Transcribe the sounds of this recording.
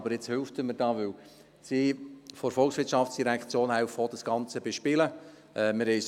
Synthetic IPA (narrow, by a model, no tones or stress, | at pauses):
bəɾɪt͡shølftəməɾdɑːʋʏw | sifɔɾfɔlˠkχsʋɪtʃɑftsd̥iɾækt͡sjoːnawfɔdəsɡ̥ɑnt͡səbeʃpɪlə | ɛmɪɾhɛɪs